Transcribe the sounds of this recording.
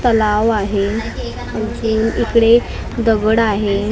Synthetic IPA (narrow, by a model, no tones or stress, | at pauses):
t̪əlaʋaɦe | məsuːnikɽe | d̪əɡəɽaɦe